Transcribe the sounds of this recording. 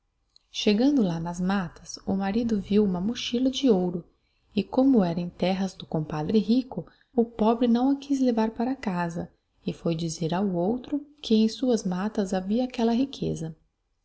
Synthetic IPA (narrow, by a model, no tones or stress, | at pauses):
ʃeɡɐ̃nd̪ʊlanɐzmat̪ɐ̥sʊmaɾid̪ʊviwũmɐmuʃilɐd͡ʒɪowɾʊ | ɪkõmʊɛɾɐẽj̃t̪ɛɦɐzd̪ʊkõpad̪ɾɪɦikʊ | ʊpɔbɾɪnɐ̃w̃ɐkʰiz̬levaɾpaɾɐkazɐ | ɪfojd͡ʒizeɾawowt̪ɾʊkɪẽj̃suɐzmat̪ɐzaviɐːkɛlɐɦikʰḛzɐ